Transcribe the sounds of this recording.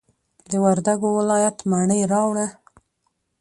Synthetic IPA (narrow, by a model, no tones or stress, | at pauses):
d̪əwaɾd̪aɡowɪlɑjat̪maɳəjɾɑwɽa